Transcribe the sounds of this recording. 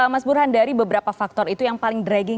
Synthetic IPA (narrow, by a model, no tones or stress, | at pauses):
masbuɾɦandaɾibəbəɾapafak̚t̪ɔrit̪ujaŋpalɪŋdɾaɡɪŋ